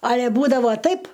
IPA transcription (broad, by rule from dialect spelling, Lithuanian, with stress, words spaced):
ˈɑːlʲɛ ˈbuːdɐʋoː ˈtɐɪp